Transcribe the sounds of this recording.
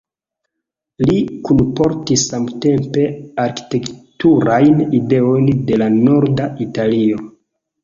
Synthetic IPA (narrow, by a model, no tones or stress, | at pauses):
likunpo̞ɾtisːamte̞mpe̞aɾki̥te̞ktuɾajnide̞o̞jnde̞lano̞ɾdaitalio̞